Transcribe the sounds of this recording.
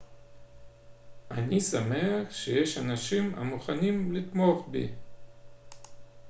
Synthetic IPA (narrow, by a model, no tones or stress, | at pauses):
anisameaχʃejeʃanaʃima̰muχanimlit̪moχbḭ